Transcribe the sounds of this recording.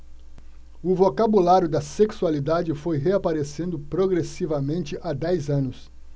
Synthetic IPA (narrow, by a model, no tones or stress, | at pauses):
ʊvokabulaɾjʊd̪ɐseksualid̪ad͡ʒɪfojɦeapaɾesẽnd̪ʊpɾoɡɾesivɐmẽnt͡ʃɪʔad̪ɛjzɐ̃nʊs